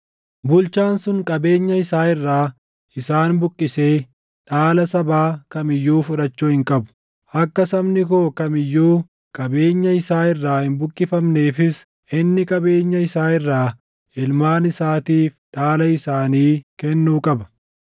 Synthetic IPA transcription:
bʊlt͡ʃaːnsʊŋkʼɐbe̞ːɲːɐɪsaːɪrːaː | ʔɪsaːnbʊkʼːɪse̞ː | ᶑaːlɐsɐbaːkɐmɪjːuːfʊᶑɐt͡ʃːuːhɪŋkʼɐbʊ̥ | ʔɐkːɐsɐbnɪkoːkɐmɪjːuː | kʼɐbe̞ːɲːɐɪsaːɪrːaːhɪnbʊkʼːɪfɐmne̞ːfɪs | ʔɪnːɪkʼɐbe̞ːɲːɐɪsaːɪrːaː | ʔɪlmaːnɪsaːt̪iːfᶑaːlɐɪsaːniːkɛnːuːkʼɐbɐ̥

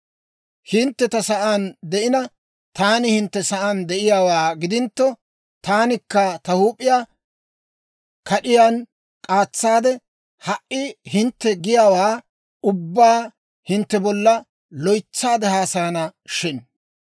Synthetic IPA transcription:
hɪnt̪ːɛt̪ɐsɐʔand̪ɛʔɪnɐ | t̪aːnɪhɪnt̪ːɛsɐʔand̪ɛʔɪjaːwaːɡɪd̪ɪnt̪ːɔ | t̪aːnɪkːɐt̪ɐhuːpʼːɪjaː | kʰɐɗɪjaːn | kʼaːt͡sːaːd̪ɛ | hɐʔɪhɪnt̪ːɛɡɪjaːwaː | ʊbːaː | hɪnt̪ːɛbɔlːɐ | lɔjt͡sːaːd̪ɛhaːsɐjɐnɐʃɪn

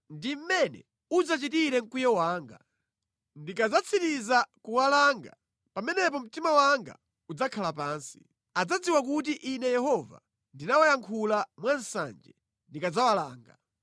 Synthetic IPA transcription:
ndim̩mɛnɛ̰ | ud͡zat͡ʃitiɾɛŋ̩kujɔwaːŋɡa̰ | ndikad͡zat͡sʰitizakuwalaŋɡa | pamɛnɛp̬ɔm̩timawaŋɡa̰ | ud͡zakʰalapaːnsi̥ | ad͡zad͡ziwakut̬iʔinɛjɛhɔva̰ | ndinawajaŋkʰulamwansa̰nd͡ʒɛ̰ | ndikad͡zawalaːŋɡa̰

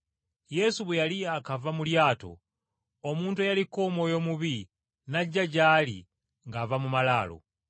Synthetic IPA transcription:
je̞suβwejaliakavamuljaːto̞̰ | omuːntuejaliko̞mo̞ːjo̞muβi | naɟːaɟaːlḭ | ŋɡavamumalaːlo̰

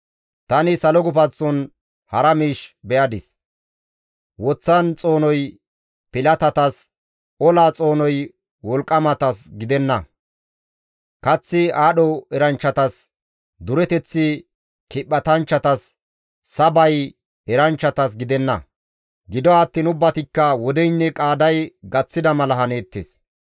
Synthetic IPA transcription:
t̪ɐnɪsɐlɔɡʊpɐt͡sːɔn | hɐɾɐmiːʃbɛʔɐd̪ɪs | wɔt͡sːɐnt͡sʼo̞ːnɔj | pɪlɐt̪ɐt̪ɐs | ɔlaːt͡sʼo̞ːnɔj | wɔlkʼːɐmɐt̪ɐsɡɪd̪ɛnːɐ | kɐt͡sːɪaːɗɔɛɾɐnt͡ʃːɐt̪ɐs | d̪ʊɾɛt̪ɛt͡sːɪ | kɪɓːɐt̪ɐnt͡ʃːɐt̪ɐsː | ɐbɐj | ɛɾɐnt͡ʃːɐt̪ɐs̬ɡɪd̪ɛnːɐ̰ | ɡɪd̪ɔɐt̪ːiːnʊbːɐt̪ɪkːɐwɔd̪ɛjnːɛkʼaːd̪ɐjɡɐt͡sːɪd̪ɐmɐlɐhɐne̞ːt̪ːes

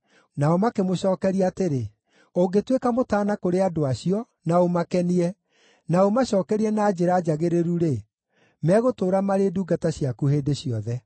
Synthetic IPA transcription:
naɔmakemoɕɔːkɛɾiateɾe | oŋɡetwekamotaːnakoɾeadoaɕiɔ | naomakɛniɛ | naomaɕɔːkɛɾiɛnaːd͡ʑeɾad͡ʒaɣeɾeɾuɾe | mɛɣotoːɾamaɾeduːɡataɕiakuheːdeɕiɔðɛ

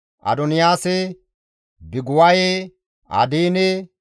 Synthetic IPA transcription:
ʔɐ̰d̪ɔnɪjaːsɛ | bɪɡʊwaje | ʔɐ̰d̪iːnɛ

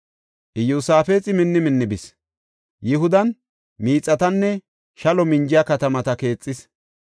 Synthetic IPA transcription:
ʔɪjusaːfeːt͡sʼɪmɪnːɪmɪnːɪbɪs | jɪɦʊd̪ɐn | miːt͡sʼːɐt̪ɐnːɛ | ʃɐlɔmɪɲd͡ʒɪjakɐt̪ɐmɐt̪ɐke̞ːt͡sʼːɪs

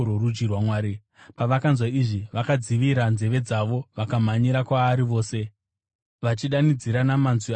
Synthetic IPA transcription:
oɾud͡ʒɡirwamwaːɾi | paʋakanzwaiʐiʋakad͡ziʋiɾanze̞ʋe̞d͡zaʋo̞ʋakamaɲiɾakwaːɾiʋo̞ːse̞ | ʋat͡ʃiɗanid͡ziɾanamanzi

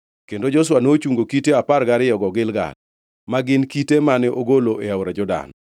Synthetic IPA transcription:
kendod͡ʒɔswanot͡ʃuŋɡokiteaparɡaɾɪjɔɡɔɡɪlɡa̰l | maɡɪnkitemanɛʔoɡoloʔeawɾad͡ʒɔda̰n

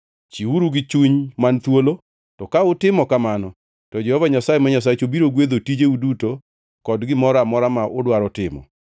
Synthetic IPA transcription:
t͡ʃiuɾuɡɪt͡ʃuɲmant̪wolo | tɔkaʊtɪmɔkamanɔ | tɔd͡ʒɛhɔvaɲasajemaɲas̬at͡ʃobiɾoɡwed̪otid͡ʒeuduto | kɔdɡɪmɔɾamɔɾamaʔʊdwaɾɔtɪmɔ̰

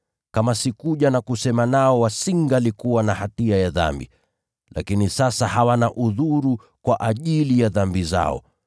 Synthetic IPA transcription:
kamasikuʄanakusɛmanaɔwasiŋɡalikuwanahatiajaða̰mbḭ | la̰kinisasahawanaʔuðuɾu | kwaʔaʄilijaðambiza̰ɔ̰

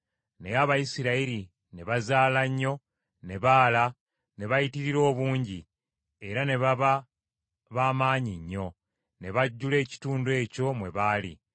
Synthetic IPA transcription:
ne̞jaβajisiɾaiɾi | ne̞βazaːlaɲːo̞ | ne̞βaːla | ne̞βajitiɾiɾo̞ːβuːɲɟi | e̞ɾane̞βaβa | βaːmaːɲiɲːo̞ | ne̞βaɟːule̞ːci̥tuːndwe̞ːco̞mwe̞βaːlḭ

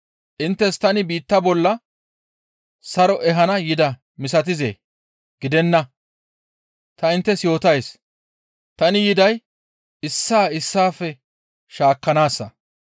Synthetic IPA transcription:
ʔɪnt̪ːɛst̪ɐnɪbiːt̪ːɐbɔlːɐ | sɐɾɔʔɛɦɐnɐjɪd̪ɐ | mɪs̬ɐt̪̬ɪzḛː | ɡ̥ɪd̪ɛnːɐ | t̪ɐɪnt̪ːɛsjo̞ːt̪ɐjs | t̪ɐnɪjɪd̪ɐj | ɪsːaːɪsːaːfɛ | ʃaːkːɐnaːsːɐ

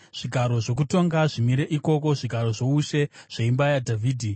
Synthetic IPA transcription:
ʐ̥iɡʱaɾo̞ʐo̞k̬uto̞ŋɡaʐimiɾe̞ʔiko̞ko̞ʐiɡʱaɾo̞ʐo̞uʃe̞ʐ̥eimbajadʱavʱiːdʱi

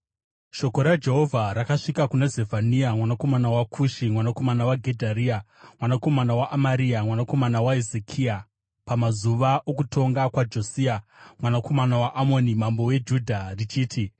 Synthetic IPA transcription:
ʃo̞ko̞ɾad͡ʒe̞ɦo̞vʱaɾakaʂikakunazevʱaniamwanako̞manawakʰuʃimwanako̞manawaɡʱe̞dʱaɾiːamwanako̞manawaʔamaɾiamwanako̞manawaezekʰia | pamazuʋaʔokuto̞ŋɡakwad͡ʒosiamwanako̞manawaʔamo̞nimambo̞we̞d͡ʒudʱarit͡ʃiːtʰi

